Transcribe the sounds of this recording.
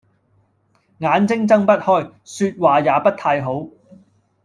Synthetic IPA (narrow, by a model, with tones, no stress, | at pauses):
ŋaː˨˧nt͡sɪ˥ŋt͡sɐ˥ŋpɐ˥t̚hɔː˥jsyː˧t̚waː˨˩jaː˨˧pɐ˥t̚t̪ʰaː˧jɦo˨˥w